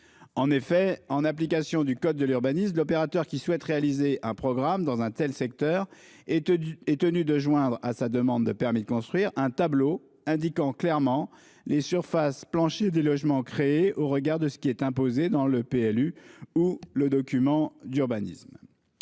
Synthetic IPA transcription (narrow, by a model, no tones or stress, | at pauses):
ɑ̃nefɛɑ̃naplikasjɔ̃d̪ykɔd̪̚ːəlyʁbanismlɔpeʁat̪œʁkʲiswɛt̪ʁealizeʔɛ̃pχɔɡʁamd̪ɑ̃zɛ̃t̪ɛlsɛk̚t̪œʁ | ɛt̪ənyd̪əʒwɛ̃d̪ʁasad̪əmɑ̃d̪ːəpɛʁmid̪əkɔ̃st̪χɥiʁɛ̃t̪ablo | ɛ̃d̪ikɑ̃klɛʁmɑ̃ | lʔesyʁfasplɑ̃ʃed̪elɔʒmɑ̃kχeeʔoʁəɡaʁd̪əsə̥kʲiɛt̪ɛ̃pozed̪ɑ̃ləpeɛlyuləd̪ɔkʲymɑ̃d̪yʁbanḭsm